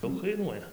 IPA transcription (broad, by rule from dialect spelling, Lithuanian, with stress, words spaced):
ˈdɐʊk kɐɪˈnuɔjɛ